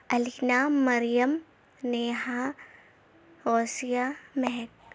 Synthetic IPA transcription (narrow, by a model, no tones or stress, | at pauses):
ɐlinaːɐɾijəm | neːɦa | oːsijamɛɦɛk̚